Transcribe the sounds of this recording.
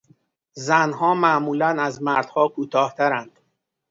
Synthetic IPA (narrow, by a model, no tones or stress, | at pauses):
zænɦɒːmæmuːlænæzmæɾd̪̥hɒːkʰuːt̪ʰɒːht̪ʰæɾænd̪̥